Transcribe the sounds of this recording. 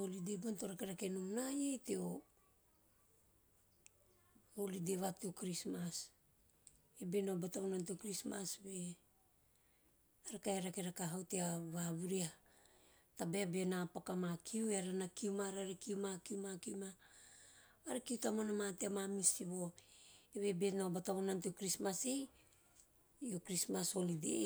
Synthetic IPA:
olidebontoɾakeɾake̞numnajejteo | olideβateokɾismas | ebenobatamonanteokɾismasbe̞ | aɾakajaɾakeɾakaɦawteaβaβuɾia | tabeabenapakamakʰiueaɾanakiumaɾaɾekiumakiumakiuma | aɾekiutamonamateamamisiβo̞eβe̞be̞naobataβonanteokɾismasej | jokɾismaso̞lidḛ

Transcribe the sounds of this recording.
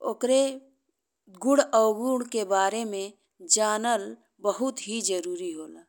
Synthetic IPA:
o̰ːkɾe | ɡʊɽəːɡuɽkebaːɾemẽ | d͡ʒaːnəl | bəɦʊt̪ɦid͡ʒəɾuːɾiɦoːlaː

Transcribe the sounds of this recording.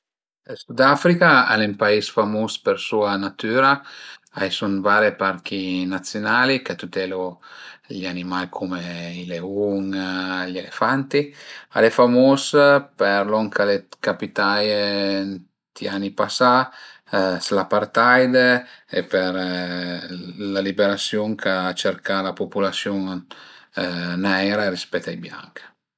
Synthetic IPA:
esud̪afɾikaa̰lempaisfamuspeɾsuanat̪yːɾaajsunvaɾepaɾk̟inat̪sjonalikat̪ut̪ɛlo | ʎanimajkʰumeileuŋʎelefant̪ia̰lefamuspɛɾlɔŋkʰalekapit̪aj | t̪ianːipasa | slapart̪ajd̪eepeɾ | lalibeɾat̪sjoŋkʰat͡ʃerkʰalapopulasjoŋ | nɛɾaɾispɛt̪ːajbja̰ŋk

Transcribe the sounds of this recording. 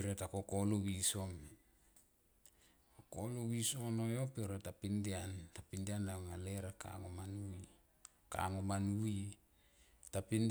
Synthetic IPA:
piɾe̞tako̞kolowiso̞n | okolowiso̞no̞jo̞peɾetapindiantapindianaŋale̞ɾaka̰ŋomanui | ka̰ŋomanui | tapin

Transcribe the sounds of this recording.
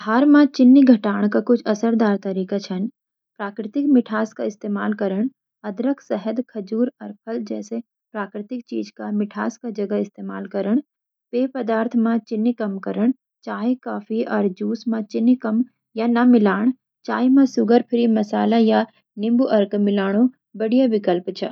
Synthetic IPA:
ɦaːɾmãt͡ʃɪnːiɡʱɐʈaːɳ̃kakʊt͡ʃʰɐsəɾd̪aːɾt̪ɐɾiːkat͡ʃʰɐn | pɾaːkɾɪt̪ɪkmɪʈʰaːskaɪst̪eːma̰ːlkɐɾəɽ̃ | ɐd̪ɾəkʰsɛɦəd̪kʰɐd͡ʒuːɾɐɾpʰəld͡ʒɛ̰ːse | pɾaːkɾɪt̪ɪk̚t͡ʃḭːd͡ʒkamɪʈʰa̰ːskad͡ʒɐɡaɪst̪eːma̰ːlkɐɾəɽ̃ | peːpɐd̪aːɾt̪ʰmãt͡ʃɪnːikɐmkɐɾəɽ̃ | t͡ʃaːikaːpʰiɔːɾd͡ʒuːsmãt͡ʃɪnikɐm | janɐmɪlaːɽ̃ | t͡ʃaːjmãsʊɡəɾpʰɪɾimɐsaːlaja | nɪ̃mbuʔɐɾkmɪlaːɽ̃o | bɐɽijaʋɪkəlpt͡ʃʰɐ̰

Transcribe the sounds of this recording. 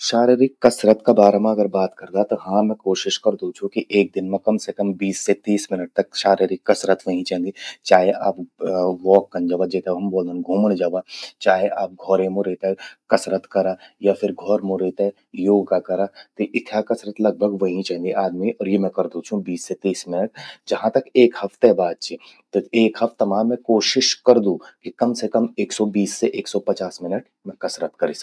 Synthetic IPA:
ʃaːɾiɾɪkːɐsɾət̪kabaːɾamãɐɡəɾbaːt̪kɐɾd̪at̪oɦãmɛ̃koːʃɪʃkɐɾd̪ut͡ʃʰũkiʔeːk̚d̪ɪnmẽkɐmsekɐmbiːsːet̪iːsmɪnəʈ̚t̪ɐkʃaːɾiɾikːɐsɾət̪ʋɐɦĩt͡ʃãɦnd̪it͡ʃaːɦeʔaːpʋɔːkːɐ̃nd͡ʒaːʋad͡ʒet̪eɦɐmboːld̪ə̃nɡʱuːməɽd͡ʒaːʋat͡ʃaːɦeʔaːp̚ɡʱɔːɾemõɾeːt̪aɦɛkɐsɾət̪kɐɾaːjafʰɪɾɡʱɔːɾmõɾeːt̪aɦɛ | joːɡkakɐɾat̪eʔɪt̪ʰakɐsɾət̪lɐɡ̚bʱəɡʋɐɦĩt͡ʃaːɦnɡ̪eʔaːd̪miʔɔːɾjemɛ̃kɐɾd̪ũt͡ʃʰũbiːsːet̪iːsmɪnəʈd͡ʒɐɦãt̪ɐkeːkhɐft̪ebaːd̪̚t͡ʃʰi | t̪eːkɦɐft̪ːɐmaːmːɛ̃koːʃɪʃkɐɾd̪ũkikɐmsekɐmeːksɔbiːsːeʔeːksɔpɐt͡ʃaːsmɪnəʈ | mɛ̃kɐsɾət̪kɐɾiːs

